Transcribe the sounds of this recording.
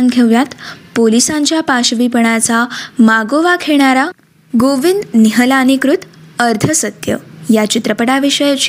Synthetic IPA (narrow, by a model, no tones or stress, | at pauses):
nɡʰʱeʋjat̪polisãɲt͡ɕjapaɕʋipəɳ̃at͡samaɡoʋakʰeɽ̃aɾa | ɡoʋind̪niɦəlanikɾut̪əɾt̪ʰəsət̪jə̰jat͡ɕit̪ɾəpəɽaʋiʂəjat͡ɕ